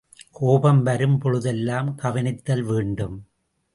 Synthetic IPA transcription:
kʰoːbɐmʋɐɾɯmpɔɻɯðɛlːaːmkɐʋɐnɪt̪ːɐlʋeːɳɖɯm

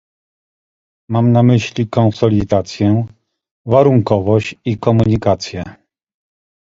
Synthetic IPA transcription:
mamnamɘɕlʲikɔnsɔlʲid̪at̪sʲjɛ | vaɾuŋkɔvɔɕt͡ɕikɔmuɲikat̪sʲjɛ

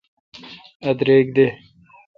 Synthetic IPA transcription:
ɐd̪ɾeːk̚d̪e

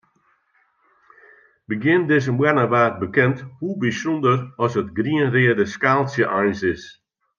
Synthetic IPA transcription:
bəɡjɪndɪzəmwɛnəʋaːt̚bəkɛnthubisondərɔsətɡriənrɪədəskaːlˠsjəʔajnsɪs

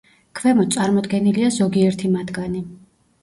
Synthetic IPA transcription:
kʰvɛmɔt̪sʼaɾmɔd̪ɡɛniliazɔɡiɛɾt̪ʰimat̪ʰɡani

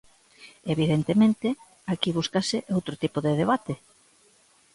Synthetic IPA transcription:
eβiðent̪emẽnt̪ɪ | akiβ̞uskasɪʔowt̪ɾot̪ipoðeðeβat̪e

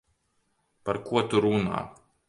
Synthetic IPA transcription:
paɾkuɔt̪uɾuna̰ː

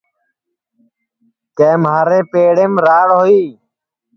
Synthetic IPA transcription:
kẽːmɦaːɾeːpeːɽeːmɾaːɽɦoiː

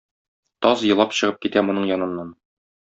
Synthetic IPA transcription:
t̪ɒzjɤ̆lˠɑpɕɤ̆ʁɤp̚kit̪æmŏnɤɴjɒnɤ̆nːɑn

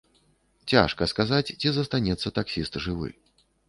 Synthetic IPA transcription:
t͡sʲa̰ʂkɐskazat͡sʲt͡sʲizɐst̪anʲɛt̪sːɐt̪aksʲist̪ʐɨvɨ̰

